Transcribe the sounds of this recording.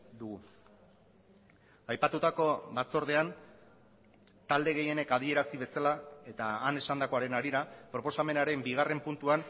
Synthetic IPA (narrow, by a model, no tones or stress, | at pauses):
d̪uɣu | ajpat̪ut̪ako̞βat͡so̞ɾð̞e̞an | t̪ald̪e̞ɣe̞je̞ne̞kað̞ie̞ɾasiβ̞e̞salae̞t̪aːne̞sand̪ako̞aɾe̞naɾiɾapɾo̞po̞same̞naɾe̞mbiɣ̞are̞mpunt̪uan